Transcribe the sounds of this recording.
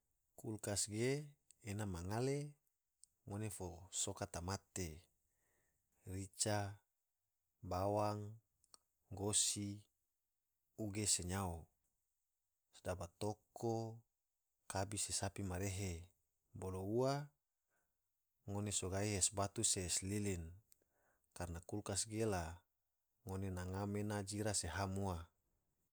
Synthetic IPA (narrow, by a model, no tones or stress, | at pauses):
kulkasɡeːnamaŋale | ŋonefosokat̪amat̪e | rit͡ʃa | bawaŋ | ɡosi | uɡeseɲao | sdabat̪okʰo | kabisesapimaɾeɦe | boloua | ŋonesoɡaiɦesbat̪useːslilin | karnakulkasɡela | ŋonenaŋamenad͡ʒiɾaseɦamua